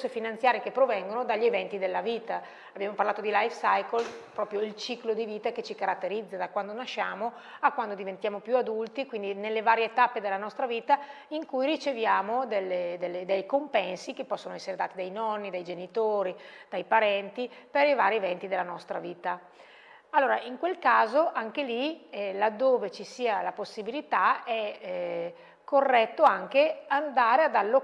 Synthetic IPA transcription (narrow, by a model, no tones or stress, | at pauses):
sefinant̪sjaːɾjekepːɾovɛŋɡonod̪aʎːievɛnt̪id̪elːaviːt̪a | abjaːmoparlaːt̪od̪ilajfsajkolpɾɔːpɾjoilt͡ʃiklod̪iviːt̪aket͡ʃikaɾat̪ːeɾid̪zːad̪akwand̪onaʃːaːmo | akːwand̪od̪ivent̪jaːmopjuad̪ult̪ikwind̪inelːevaːɾjeeːt̪apːed̪elːanɔst̪ɾaviːt̪a | iŋkujrit͡ʃevjaːmod̪elːed̪elːed̪ejkompɛnsikepːɔsːonoɛsːeɾed̪aːt̪id̪ajnɔnːid̪ajd͡ʒenit̪oːɾid̪̥ajpaɾɛnt̪ipeɾivaːɾievɛnt̪id̪elːanɔst̪ɾaviːt̪a | alːoːɾaiŋkwelkaːzoʔaŋk̟elilad̪ːoːvet͡ʃisiːalaposːibilit̪aɛ | kːorːɛt̪ːoaŋkeand̪aːɾead̪alːo